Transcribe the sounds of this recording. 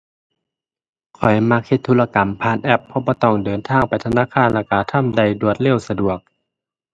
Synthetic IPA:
kʰɔ˨˩jma˧˥k̚he˧t̪ʰːuː˧˩la˧ka˨˦mpʰaː˧˩˨nʔɛ˧˩pʰːɔ˧˥bɔː˧˦t̪ɔ˧˩ŋdɤː˨˦nt̪ʰaː˧˩˨ŋpa˨jt̪ʰa˧naː˧˥˨kʰaː˧˥˨nlɛː˧˩ka˧˩t̪ʰa˧˥˨mda˧˩jdu˨˩ət̪̚le˧˥˨wsa˧du˨˩ək̚

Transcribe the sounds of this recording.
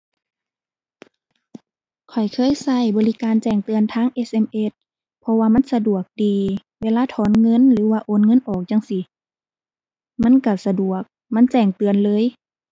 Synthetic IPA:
kʰɔ˨˩jkʰɤː˧˥˨jsa˧˩˨jbɔː˨li˦˧kaː˨nt͡ɕɛː˧˩ŋt̪ɯ˨˧ənt̪ʰaː˧˥˨ŋʔe˧˥sʔe˧˨mʔe˧˩t̪̚ | pʰɔ˧waː˧ma˧˥˨nsa˧du˨˩ək̚diː˨ | weː˧laː˧˥˨t̪ʰɔː˨˦nŋɤ˧˥˨nlɯː˨˦waː˧ʔoː˧˥˨nŋɤ˧˥˨nʔɔː˨˩k̚ɲa˧˨ŋsi˧˦ | ma˧˥˨nka˧˩sa˧du˨˩ək̚ | ma˧˥˨nt͡ɕɛː˧˩ŋt̪ɯ˨˩ənlɤː˧˥˨j

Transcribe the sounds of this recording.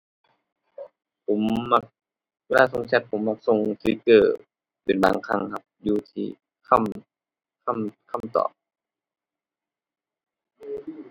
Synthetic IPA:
pʰo˩˦mma˧k̚ | weː˧laː˧˩so˧ŋt͡ɕʰa˧t̪̚pʰo˨˦mːa˧˩k̚so˧ŋsɯ˨˦kɤː˧˩ | pe˨˩nba̰ː˨˦ŋkʰa˧˩˨ŋha˧p̚juː˧t̪ʰiː˧˩ | kʰa˧˥˨m | kʰa˧˥˩mkʰa˧˥˩mt̪ɔ̰ː˨˩p̚

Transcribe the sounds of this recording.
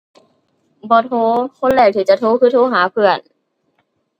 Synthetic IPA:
bɔː˧˦t̪ʰoː˧˥kʰo˧˥˨nlɛː˧˩k̚t̪ʰɯː˨˧˦t͡ɕa˧˩t̪ʰoː˧˥˦kʰɯː˧˥˩t̪ʰoː˧˥˦ɦaː˨˦pʰɯ˧˩ən

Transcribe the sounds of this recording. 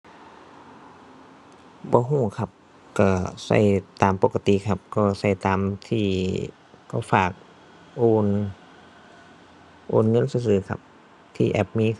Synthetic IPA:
bɔː˧˦ɦuː˧˩˨kʰa˧˩p̚ | kɔː˧˩sa̰˧˥˩jt̪aː˨mpo˧˥ka˧t̪i˧˨kʰa˧p̚kɔː˧˩sa˧˩jt̪aː˨mt̪ʰiː˧˩ | kɔ˧˩faː˨˩k̚ | ʔoː˧˩n | ʔo̰ː˧˨nŋɤ˧˥˨nsɯː˧sɯː˧˩kʰa̰˧˥p̚ | t̪ʰiː˧˩˨ʔɛ˧˩p̚miː˧˥˨

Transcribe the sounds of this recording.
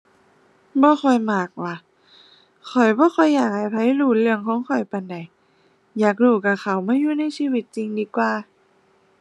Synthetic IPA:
bɔː˧˦xɔ˨˩jmaː˨˩k̚waː˧˩ | kʰɔ˨˩jbɔː˧˦xʰɔ˧˩jːaː˨˩k̚ha˧˩jpʰa˧˥˦jluː˧˩lɯ˧əŋkʰɔː˨˦ŋkʰɔ˨˩jpa˨˩nda˨˩j | jaː˨˩k̬̚duː˧˩ka˧˩ka˧˩wmaː˧˥˨juː˧˨na˧˥˨jsiː˧˨wi˧˦t̪̚t͡ɕi˧ŋdiː˧kwaː˧

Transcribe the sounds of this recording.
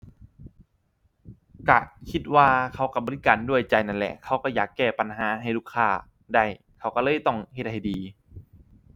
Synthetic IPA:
ka˧˩kʰi˧t̪̚waː˧kʰa˧˥˩wka˧˩bɔː˧li˦˧kaː˨˦ndu˥˩əjt͡ɕa˧˩jna˧˥˩nlɛ̰˧˩kʰa˧˥˩wkɔ˧˩jaː˨˩kːɛː˧˩pa˨nɦaː˩˦ɦa˧˩jluː˧˥˩kʰːaː˧˩ | da˧˩j | kʰa˧˩wka˧˩lɤː˧˥˨jt̪ɔ˧˩ŋhe˧t̪̚ha˧˥˩jdiː˨˧

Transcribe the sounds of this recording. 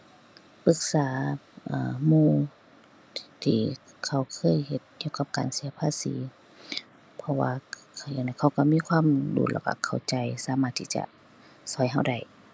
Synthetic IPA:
pɯ˧˦k̚saː˨˦ʔaː˧˩muː˧˩ | t̪ʰiː˧˩kʰa˧˩wkʰɤː˧˥˨jhe˧˦t̪̚ki˧˨wka˧˦p̚kaː˨nsi˨˦ɐpʰaː˧˥˨sḭː˨˦ | pʰɔ˧wa̰ː˧kʰa˧ja˧˩ŋna˧˩jkʰa˧˩wka˧˩miː˧˥˨kʰwaː˧˥˨mdṵː˧˦la̰˧˩wka̰˧˩kʰa˨˩wt͡ɕa˨jsaː˨˦maː˧˩t̪ʰːiː˧˩t͡ɕa̰˧˩ | sɔ˨˦jɦa˧˩wda˧˩j

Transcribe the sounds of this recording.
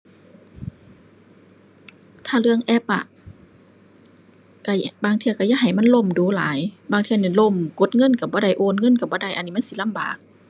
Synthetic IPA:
t̪ʰaː˧˩lɯ˧˨əŋʔɛ˧˩p̚ʔa̰˧˨ʔ | ka˧˩baː˧ŋt̪ʰi˧ɐwka˧˩jaː˧˥˨ɦa˨˩jma˧˥˨lo˧˨mduː˨˦la̰ː˨˦jbaː˧˩ŋt̪ʰi˧˨ni˧˩˨lo˧˩˨mko˧˦t̪̚ŋɤ˧˥˨nka˧˩bɔː˧˦da˧˩jʔoː˧˥˨nŋɤ˧˥˨nka˧˩bɔː˧˦da˧˩˨jʔa˧˨nːiː˧˩ma˧˥˨si˧˦la˧˥˨mbaː˨˩k̚

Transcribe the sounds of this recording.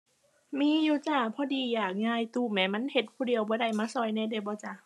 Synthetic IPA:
miː˧˥˨juː˧˩t͡ɕa˧˩pʰɔː˧˨diː˧˩jaː˨˩k̚ŋaː˧˩˨jt̪uː˧˩mɛː˨˩ma˧˥˨nhe˧˦t̪̚pʰuː˧di˨˧˨əwbɔː˧˦ɾa˧˩jmaː˧˥˨sɔ˧˩jnaː˧˥˨da˧˩bɔː˧˦t͡ɕa˧˨

